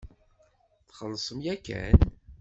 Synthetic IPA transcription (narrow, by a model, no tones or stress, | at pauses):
θχəlːsˤəmjækːæ̰n